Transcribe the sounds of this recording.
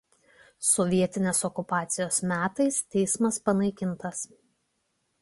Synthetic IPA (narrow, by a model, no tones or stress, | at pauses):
sɔʋʲiɛt̪ʲɪnʲeːsɔkʊpɑːt̪sʲɪjoːsmʲæːt̪ɐɪst̪ʲɛɪsmɐspɐnɐɪkʲɪnˑt̪ɐs